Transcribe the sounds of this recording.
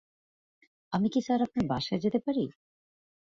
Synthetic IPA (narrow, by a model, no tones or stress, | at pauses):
amikisaɾap̚naɾbaʃaed͡ʑet̪epaɾi